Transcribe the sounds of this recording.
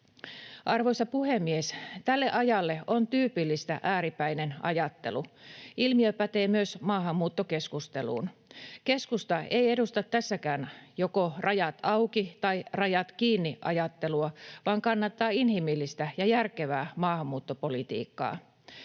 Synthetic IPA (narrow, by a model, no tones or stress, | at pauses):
ʔɑrʋoisɑpuhemːiest̪ælːe̞ʔɑjɑlːeont̪yːpilːist̪æʔæːɾipæinenɑ̰jɑt̪ːe̞̰luʔilmiøpæt̪eːmyøsmɑːɦɑmːuːt̪ːoke̞skust̪elṵːnke̞skust̪ɑejedust̪ɑt̪ːæsːækæːnjokorʔɑjɑt̪ɑukit̪ɑirɑjɑt̪kiːnːiʔɑ̰jɑt̪ːe̞luɑʋɑːŋkɑnːɑt̪ːɑːinhimilːist̪æjɑjærkeʋæːmɑːhɑmːuːt̪ːopolit̪ḭːkːɑ̰ː